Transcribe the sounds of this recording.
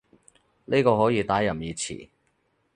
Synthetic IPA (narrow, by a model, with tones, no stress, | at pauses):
niː˥kɔː˧hɔː˨˥jiː˧t̪aː˨˥jɐ˨˩mjiː˨˧t͡sʰḭ˨˩